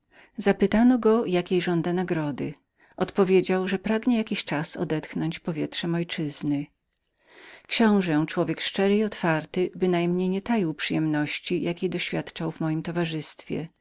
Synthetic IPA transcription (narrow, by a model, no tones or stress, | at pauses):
zapɘt̪anɔɡɔjakʲejʐɔnd̪anaɡɾɔd̪ɘ̰ | ʔɔt̪pɔvʲjed͡ʑawʐɛpɾaɡɲɛjakʲiɕt͡ʂasɔ̰d̪ɛt̪xnɔɲt͡ɕpɔvʲjɛt̪ʂɛmɔjt͡ʂɘz̥nɘ | kɕɔ̃w̃ʐɛt͡ʂwɔvʲjɛkʂt͡ʂɛɾɘiɔt̪faɾt̪ɘbɘnajmɲejɲɛt̪ajiwpʂɨjɛmnɔɕt͡ɕijʔakʲejd̪ɔɕfʲjat̪t͡ʂawvmɔjimt̪ɔvaʐɘst̪fʲjɛ̰